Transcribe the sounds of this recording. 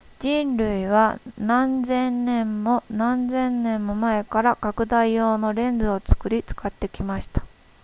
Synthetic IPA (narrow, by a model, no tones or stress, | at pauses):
d͡ʑĩnɾɯ̟iβ̞anãnd͡zẽ̞nnẽ̞mːo̞nãnd͡zẽ̞nnẽ̞mːo̞mae̞kaɾakakɯ̟d̪aijo̞ːno̞ɾẽ̞nd͡zɨo̞t͡sɨ̥kɯ̟ɾʲit͡sɨ̥kat̪ːe̞kʲimaɕi̥t̪ḁ